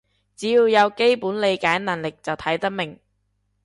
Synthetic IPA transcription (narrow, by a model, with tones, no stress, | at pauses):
t͡siː˨˥jiː˧wjɐ˨˧wke˥jpuː˨˥nle˨˧jkaː˨˥jnɐ˨˩nlɪ˨k̚t͡sɐ˨wt̪ʰɐ˨˥jt̪ɐ˥k̚mɪ˨˩ŋ